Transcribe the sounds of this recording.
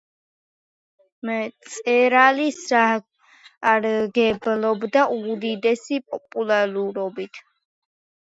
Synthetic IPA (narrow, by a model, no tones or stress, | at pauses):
mt̪sʼɛɾalisaː | ɾɡɛblɔbd̪aʔud̪id̪ɛsipʼɔpʼulaɾuɾɔbit̪ʰ